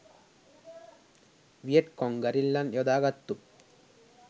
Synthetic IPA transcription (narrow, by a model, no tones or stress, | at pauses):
ʋijeʈkoŋɡɐɾilːɐnjɔd̪aːɡɐt̪ːu